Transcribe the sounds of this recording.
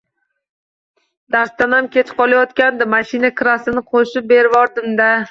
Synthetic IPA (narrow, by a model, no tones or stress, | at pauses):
d̪aɾst̪anamkʲʰe̞t͡ʃqʰɒlˠajɒt̪kʲand̪ɪmaʃɪnakʰɾasɪnɪqʰoʃɪp̚be̞ɾvɒɾd̪ɪmd̪a